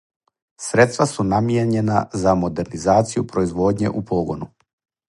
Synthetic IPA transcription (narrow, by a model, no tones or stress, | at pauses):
sɾet̪st̪vʋasunamjeɲe̞na̰zamo̞d̪e̞ɾnizaːt̪sijupɾo̞izʋo̞ːd̪ɲe̞̰ʔupo̞ːɡonu